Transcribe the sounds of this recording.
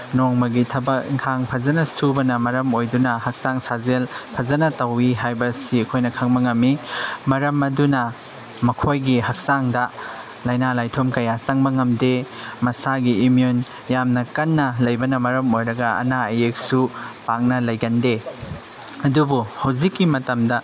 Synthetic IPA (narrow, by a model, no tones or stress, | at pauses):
noŋmɐɡitʰɐbɐkiŋkʰaŋpʰɐzɐnɐsubɐnɐmɐɾɐmojdunɐhɐk̚saŋsazelpʰɐzɐnɐtɐwiɦajbɐsiɐkʰojnɐkʰɐŋbɐŋɐmːimɐɾɐmɐdunɐ | mɐkʰojɡiɦɐk̚saŋdɐ | lɐjnalajtʰomkɐjasɐŋbɐŋɐmde | mɐsaɡiːmion | jamnɐkɐnːɐlɐjbɐnɐmɐɾɐmojɾɐɡɐɐ̰naɐjek̚supak̚nɐlɐjɡɐnde | ɐdubuhɐwzikːimɐtɐmdɐ